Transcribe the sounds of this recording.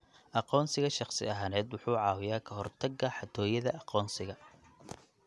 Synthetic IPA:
ʔɑqɔːnsɪɣɐʃɑqsɪ̰ɐɦaːnɛːd̪wʊħuːʕɑːwɪjaːkʰɐɦɔrt̪ʰɐɡːɐħɑt̪ʰɔːjɐðɐʔɑqɔːnsɪɣɐ

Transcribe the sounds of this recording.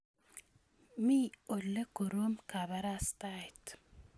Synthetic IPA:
miolːəkoɾomkʰaβɐɾast̪ajt̪

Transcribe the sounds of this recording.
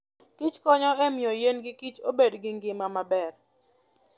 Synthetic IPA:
kit͡ʃkɔɲɔɛmɪɔjenɡɪkit͡ʃobedɡɪŋɡɪmamabɛr

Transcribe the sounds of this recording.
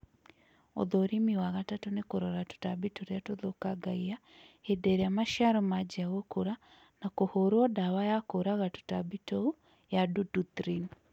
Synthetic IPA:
o̰ðoɾimiwaɣatatonekoɾɔɾatu̥tabitoɾeatoðokaɡaia | edɛɾeamaʃiaɾɔmad͡ʒiaɣokoɾa | nakohoɾwɔdawajakoɾaɣatu̥tabitou | jadudut̪ɾin

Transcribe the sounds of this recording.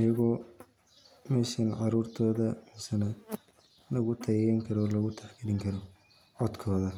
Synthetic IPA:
ɐjɐɣɔː | mɛʃɐnʕɑɾuːrt̪ʰɔːðɐmɛsɐnɐ | lɐɣʊt̪ʰɐjɛɛŋkʰɐɾɔlɐɣʊt̪ʰaħɡɪdɪŋkʰɐɾɔ | ʕɔd̪kʰɔːðɐ

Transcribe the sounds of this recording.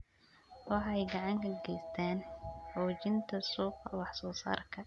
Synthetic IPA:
wɑħɑɛjɡɑʕɑŋkʰɐɡɛjst̪ʰaːnħɔːt͡ʃɪnt̪ʰɐsuːqɐ̰wɑħsɔːsa̰ːrkʰɐ

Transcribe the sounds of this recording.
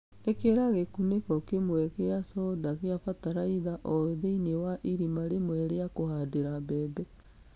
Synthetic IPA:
ekeɾaɣekunekɔkemwɛkeasɔdakeafataɾaiðaʔɔeðeinewaʔiɾimaɾemwɛɾeakohadeɾabɛːbɛ

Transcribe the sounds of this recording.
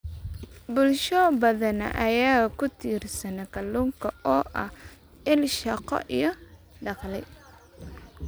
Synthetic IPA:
bʊlʃɔbɐðɐnɐ̰ʔɐjaːkʰʊt̪ʰiːrsɐnɛkʰɐluːŋkʰɐɔːʔɐ̰h | ɪlʃɐqɔ̰ʔijɔ | ɖɑqlɛj

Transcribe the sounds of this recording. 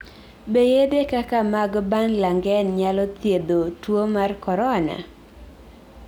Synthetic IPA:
bejedekakamaɡbanlaŋɡɛnɲalɔt̪jed̪otwomarkɔɾɔna̰

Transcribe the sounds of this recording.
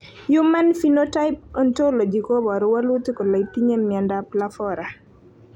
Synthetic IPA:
jumanfinotajp̚ɔntolɔd͡ʒikɔbɔɾwalutikɔlajtiɲemːiandaplafɔɾa

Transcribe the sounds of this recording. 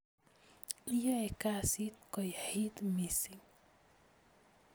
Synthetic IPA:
ijɔekasit̪̚kɔjħit̪misiŋ

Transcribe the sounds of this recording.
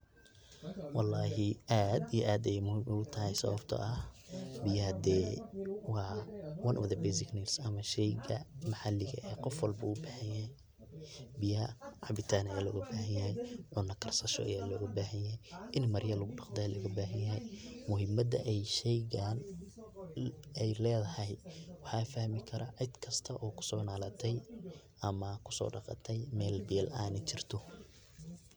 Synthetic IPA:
wɑlːɑːɦɪʔaːd̪ijɔʔaːd̪ɛjmʊhɪmʔʊʊt̪ʰɐɦɛjsɐ̰wɐbt̪ʰɐ̰ʔɐhbɪjɐɐd̪ɛːwɑːwɐnʔɔ̰ðɐbɛjsɪkniːlsɐmɐʃɛjɣɐmɐħɑlːɪɣɐʔɛːqɔfwɑlbɐʊːbɐħɐnjɐhɛj | bɪjɐɐʕɑbɪt̪ʰaːnɐjaːlɔ̰ːɣɐbaːɦɐnjɐɦɛjʕʊnːɐkʰɐrsɐʃɔ̰ʔɐ̰jaːlɔːɣɐbaːɦɐnjɐɦɛjʔɪnmɐrjɐlʊɣʊɖɑqd̪ɛːlɐɣɐbaːɦɐnjɐɦɛjmʊɦɪmɐd̪ɐ̰ʔɛjʃɛjɣaːn | ɛjlɛːðɐhɐjwɑħɑːfɐhmɪkʰɐɾɐʕɪd̪kʰɐst̪ʰɐʔɔːkʰʊ̥sɔːnaːlɐt̪ʰɛj | ɐmɐkʰʊ̥sɔ̰ːɖɑ̰qɑ̰t̪ʰɛjmɛːlbɛːlaːnɛt͡ʃɪrt̪ʰɔ

